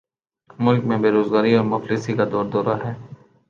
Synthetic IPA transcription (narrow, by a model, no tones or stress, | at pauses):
mʊlkmẽbeːɾoːzɡaːɾiɔːɾmʊflisikad̪ɔːɾd̪ɔːɾaɦɛː